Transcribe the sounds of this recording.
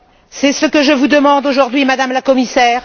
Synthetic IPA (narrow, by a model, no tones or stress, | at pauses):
sɛsəkəʒəvud̪əmɑ̃d̪oʒuʁd̪ɥimad̪amlakɔmisɛːʁ